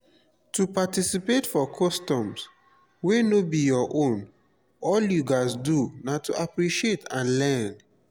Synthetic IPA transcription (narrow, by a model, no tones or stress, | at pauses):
tupatisipetfɔkʰɔstɔ̃ms | wenobijɔʔõn | ɔljuɡasdunatuʔapɾiʃietʰãnlɛn